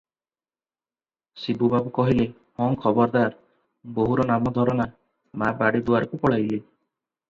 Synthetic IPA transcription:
sibubabukɔɦile | hɔ̃ŋkʰɔbɔɾd̪aɾ | boɦuɾɔnamɔd̪ʱɔɾɔna | mabaɽid̪uaɾɔkupɔɭajle

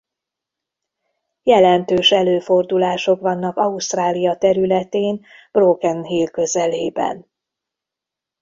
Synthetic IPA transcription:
jɛlɛnt̪øːʃɛløːfo̞rd̪ulaːʃo̞kʋɒnːɒkɒust̪raːlijɒt̪ɛɾylɛt̪eːn | b̥rokɛnɦiːlkøzɛleːbɛ̰n

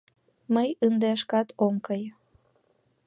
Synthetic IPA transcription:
məjənd̪eɑʃkɑt̪oŋkəj

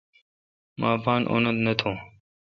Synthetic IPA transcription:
mãːpaːnʔo̰nəd̪nət̪ʰõː

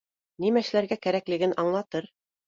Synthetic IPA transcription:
nimæʃɘ̆læɾɡækæɾæklɘ̆ɡɘnʔɑɴlˠɑt̪ɤɾ

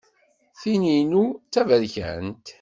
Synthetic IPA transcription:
θininut͡sːævəɾçæ̰nt̪

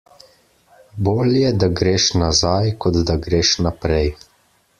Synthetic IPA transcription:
boːljɛd̪aɡɾeːʃnazajkɔd̪d̪aɡɾeːʃnapɾɛj

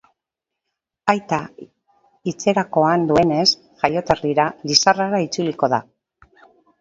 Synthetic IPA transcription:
ajt̪a | it͡se̞ɾako̞and̪ue̞ne̞s | ʝajo̞t̪eriɾalisaraɾait͡suliko̞ða̰

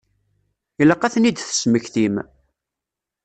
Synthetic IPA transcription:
iləqːæθnid̪θə̥sməçθim

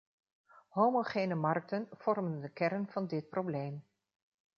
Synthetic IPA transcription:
ɦowmoχejnəmɑrk̚tənv̥ɔrməndəkɛɾənv̥ɑndɪt̚problejm

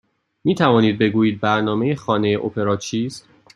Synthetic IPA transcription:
miːt̪ʰævɒːniːd̪̚be̞ɡuːjiːd̪̚bæɾnɒːme̞jexɒːne̞jeʔo̰pʰe̞ɾɒːt͡ʃʰiːst̪

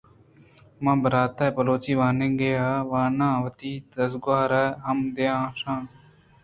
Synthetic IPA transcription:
mãːbəɾaːt̪eːpəloːt͡ʃiːʋaːnẽːɡeːjaːʋãːnãːʋət̪iːd̪əsɡʊaːɾɛːɦəmd̪eãːsãː

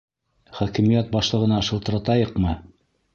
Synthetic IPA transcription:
χækɘ̆mijæt̪̚bɑʃlˠɤ̆ʁɤ̆nɑʃɤ̆lˠt̪ɤ̆ɾɑt̪ɑjɤqmɤ

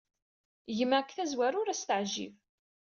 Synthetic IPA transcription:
jəmækθæzwæɾʊɾæst̪əʕʒḭv

